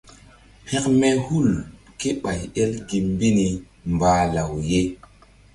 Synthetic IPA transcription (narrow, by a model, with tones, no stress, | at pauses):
he˦kme˦hu˦˨l | ke˦ɓa˨je˦lɡi˨mbi˦ni˨ | mbaː˨la˨wje˦